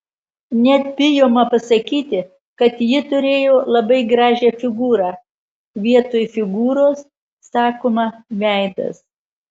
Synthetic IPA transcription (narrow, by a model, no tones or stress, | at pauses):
nʲɛt̪bʲɪjoːmɐpɐsɐkʲiːt̪ʲɪ | kɐt̪jɪt̪ʊɾʲeːjoːlˠɐbɐɪɡɾɑːʒʲɛːfʲɪɡuːɾɑː | ʋʲiɛt̪oːjfʲɪɡuːɾoːsː | ɑːkoːmɐʋʲæˑɪd̪ɐ̰s